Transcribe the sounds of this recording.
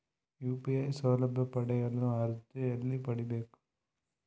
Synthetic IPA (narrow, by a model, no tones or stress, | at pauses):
juːpiɐɪsoːlɐbɐpːɐɽɐɣɐɭɐ̃ɐɾɯt̪ːɯɛlːipɐɽɪbeːkʊ̥